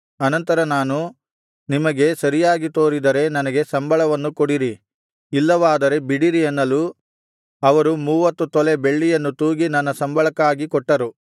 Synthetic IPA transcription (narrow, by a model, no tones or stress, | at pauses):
ɐnɐnt̪ɐɾɐnaːnu | nimɐɡe̞sɐɾijaːɡit̪o̞ːɾid̪ɐɾe̞nɐnɐɡe̞sɐmbʱɐɭɐʋɐnːukoɽiɾi | ilːɐʋaːd̪ɐɾe̞biɽiɾiɐnːɐlu | ɐʋɐɾumuːʋɐt̪ːut̪ɔle̞be̞ɭːijɐnːut̪uːɡinɐnːɐsɐmbʱɐɭɐkaːɡikɔʈːɐɾu